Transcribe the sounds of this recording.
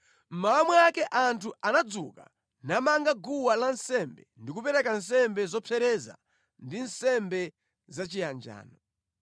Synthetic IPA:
m̩maːmwɛakɛʔantʰuanad͡zṵka̰ | namaŋɡaɡuwalansɛmbɛ̰ndik̬upɛɾɛkans̬ɛmbɛzɔpʰɛɾɛza̰ | ndinsɛmbɛ | zat͡ʃijand͡ʒa̰ːnɔ

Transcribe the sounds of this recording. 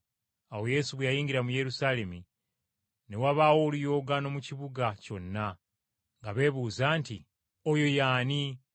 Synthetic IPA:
awo̞je̞suβwejajiːŋɡiɾamuje̞ɾusaːle̞mi | ne̞waβaːwo̞ːlujo̞ːɡano̞muciβuɡaco̞nːa | ŋɡaβe̞ːβuːzaːnti | ojo̞jaːni

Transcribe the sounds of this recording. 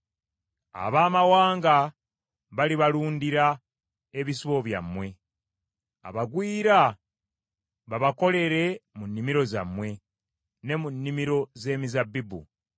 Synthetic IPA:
a̰βaːmawaːŋɡa | βaliβaluːndiɾa | e̞βisiβo̞βja̰mːwe̞ | a̰βaɡwiːɾa | βaβako̞le̞ɾe̞munːimiɾo̞za̰mwe̞ | ne̞munːimiɾo̞ze̞ːmizabːibṵ

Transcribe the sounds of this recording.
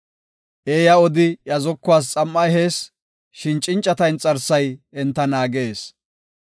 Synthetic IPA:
ʔeːjɐɔd̪ɪjɐzɔkːʊwaːs̬t͡sʼɐmːɐɦeːs | ʃɪnt͡ʃʼːɪnt͡ʃʼːɐt̪ɐjnt͡sʼɐɾsɐjɛnt̪ːɐnaːɡeːs

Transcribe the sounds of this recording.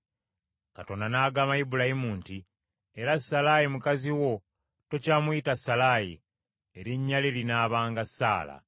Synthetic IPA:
kato̞ndanaːɡaːmajibulahimuːnti | eɾasːalajimukaziwo̞ | to̞caːmujitasːalajḭ | eɾiɲːalilinaːβaːŋɡasːa̰ːla̰

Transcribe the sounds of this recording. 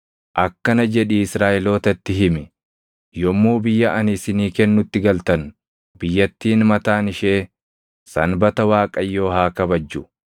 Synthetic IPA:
ʔɐkːɐnɐd͡ʒɛᶑɪɪsɾaːʔɛlo̞ːt̪ɐt̪ːɪɦɪmɪ | jɔmːuːbɪjːɐʔɐnɪsɪniːkɛnːʊt̪ːɪɡɐlt̪ɐn | bɪjːɐt̪ːiːnmɐt̪aːnɪʃe̞ː | sɐ̰nbɐt̪ɐwaːkʼɐjːo̞ːhaːkɐbɐd͡ʒːʊ

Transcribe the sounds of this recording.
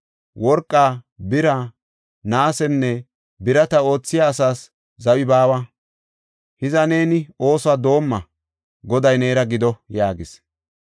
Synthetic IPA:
wɔɾkʼːaːbɪɾa | naːsɛnːɛ | bɪɾɐt̪ɐo̞ːt͡sːɪjaːsaːs | zɐwɪbaːwɐ | hɪzɐne̞ːnɪo̞ːsad̪o̞ːmːɐ | ɡɔd̪ɐjne̞ːɾɐɡɪd̪ɔjaːɡɪs

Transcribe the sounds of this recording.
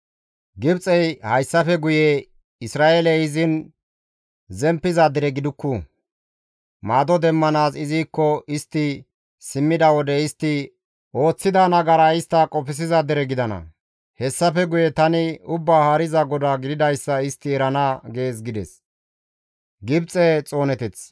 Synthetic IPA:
ɡɪbt͡sʼɛjhɐjsːɐfɛɡʊjɛ | ɪsɾaːʔelɛjɪzɪn | zɛmpːɪzad̪ɪɾɛɡɪd̪ʊkːu | maːd̪ɔd̪ɛmːɐnaːzɪziːkːɔʔɪst̪ːɪ | sɪmːɪd̪ɐwɔd̪ɛɪst̪ːɪ | ʔo̞ːt͡sːɪd̪anɐɡɐɾaɪst̪ːɐkʼɔpɪs̬ɪzad̪ɪɾɛɡɪd̪ɐnɐ̰ | hɛsːɐfɛɡʊjɛt̪ɐnɪʊbːaːhaːɾɪzɐɡɔd̪aːɡɪd̪ɪd̪ɐjsːɐɪst̪ːɪɛɾɐnɐɡe̞ːsɡɪd̪ɛs | ɡɪbt͡sʼɛt͡sʼo̞ːnɛt̪ɛt͡s

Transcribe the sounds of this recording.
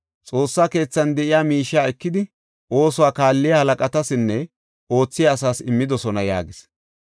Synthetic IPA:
t͡sʼo̞ːsːaːke̞ːt͡sːɐnd̪ɛʔɪjaːmiːʃːaːɛkːɪd̪ɪ | ʔo̞ːsʊwaːkaːlːɪjɐhɐlɐkʼɐt̪ɐsɪnːɛ | o̞ːt͡sːɪjaːsaːsɪmːɪd̪ɔsɔnɐja̰ːɡɪs

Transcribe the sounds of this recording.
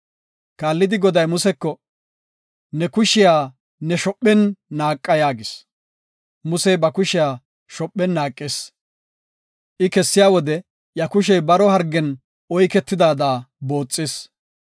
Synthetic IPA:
kaːlːɪd̪ɪɡɔd̪ɐjmʊsɛkːɔ | nɛkʊʃɪjaː | nɛʃɔpʼːɛnːaːkʼːɐjaːɡɪs | mʊsɛjbɐkʊʃɪjaː | ʃɔpʼːɛnːaːkʼːeːs | ʔɪkɛsːɪjaːwɔd̪ɛ | jɐkʊʃ̬ɛjbɐɾɔɦɐɾɡːɛn | ɔjkɛt̪ːɪd̪aːd̪aːbo̞ːt͡sʼːɪːs

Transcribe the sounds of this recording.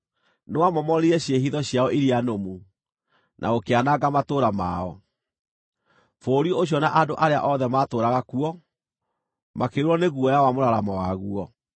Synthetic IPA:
newamɔmɔɾiɛɕeɦiðɔɕjaɔʔiɾianomu | nʔa̰okeanaɡamatoːɾama̰ɔ | foɾiɔoɕ̬jɔnaʔadoʔaɾea̰ʔɔðɛmatoːɾaɣakuɔ | makeuɾɔneɣuɔjawamoɾaɾamɔwaɣuɔ

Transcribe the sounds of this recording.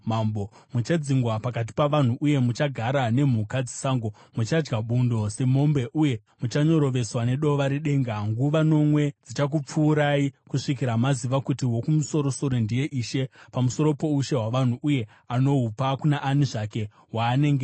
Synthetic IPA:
mambomut͡ʃad͡ziŋɡwapakat̬i̥paʋan̤uʔuje̞mut͡ʃaɡʱaɾane̞m̤ukad͡zisaːŋɡo̞ | mut͡ʃad͡ʒɡaɓundo̞se̞mo̞mbe̞ʔuje̞ | mut͡ʃaɲo̞ɾo̞ʋe̞swane̞ɗo̞ʋaɾiɗe̞ːŋɡaŋɡuʋano̞mwe̞d͡zit͡ʃak̬up͡fuːɾaikuʂikiɾamaziʋakutiwo̞kumuso̞ɾo̞so̞ɾo̞ndije̞ʔiːʃe̞pamuso̞ɾo̞po̞uʃe̞ɦwaʋan̤uʔuje̞ | ano̞ɦupakunaʔaniʐake̞ | waːne̞ŋɡe

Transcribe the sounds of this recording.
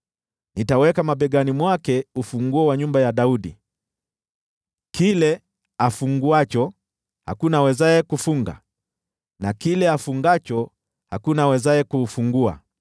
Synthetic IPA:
nitawɛkamaɓɛɡanimwakɛufuŋɡuɛwaɲumbajaɗauɗi | kilɛ | afuŋɡuat͡ʃɔ | ha̰kunawɛzaɛkufuŋɡa̰ | nakilɛafuŋɡat͡ʃɔ | hakunawɛzaɛkufuŋɡua̰

